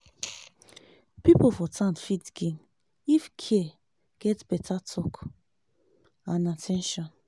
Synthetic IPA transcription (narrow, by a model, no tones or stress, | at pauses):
pipofɔtʰãnfitɡĩn | ifkʰɛ | ɡ̥ɛtb̥ɛtʰatʰɔk | ãnatʰɛ̃nʃɔ̃n